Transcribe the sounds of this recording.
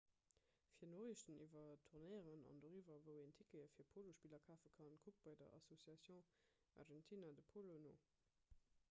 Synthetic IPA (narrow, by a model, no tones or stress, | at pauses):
fiːɐnoːʁiʃtənivɐtʰuʁnɜɪəʁənɑ̰ndoʁivɐvəʊentʰikəəfiːɐpʰoloʃpiːlɐkʰaːfəkʰɑnkʰuk̚b̥ɑɪdɐ̰ʔɑ̰sosjɑsjəʊ̃ | ʔɑ̰ʁʒɛntʰinadəpʰolonoː